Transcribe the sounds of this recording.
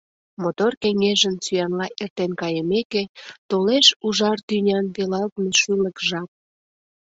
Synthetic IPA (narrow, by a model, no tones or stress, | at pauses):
mot̪orkeŋeʒənsyjɑnlɑʔert̪enkɑjəmeket̪oleʃuʒɑrt̪ynʲɑnpelɑlt̪meʃyləkʒɑp̚